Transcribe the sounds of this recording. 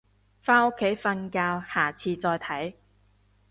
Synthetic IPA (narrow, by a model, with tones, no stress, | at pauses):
faː˥o˥kʰːe˨˥jfɐ˧nkaː˧whaː˨˩t͡sʰiː˧t͡sɔː˧jt̪ʰɐ˨˥j